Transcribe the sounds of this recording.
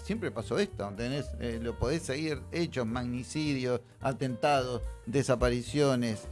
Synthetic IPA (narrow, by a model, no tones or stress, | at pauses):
sjempɾepasoest̪ot̪eneselopoðeseɣiɾet͡ʃo̞zmaɣnisiðjos | at̪ent̪aðosðesapaɾisjones